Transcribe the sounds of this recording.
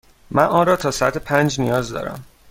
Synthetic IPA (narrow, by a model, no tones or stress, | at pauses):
mænʔɒːɾɒːt̪ʰɒːsæt̪ʰepʰænd͡ʒnijɒːzd̪ɒ̰ːɾæ̰m